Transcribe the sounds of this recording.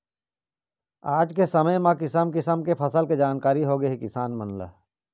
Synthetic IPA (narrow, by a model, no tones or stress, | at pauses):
aːd͡ʒkesɐməjmãkɪsəmkɪsəmkepʰɐsəlked͡ʒaːnkaːɾiɦoɡəɦɛkɪsaːnmənlə̰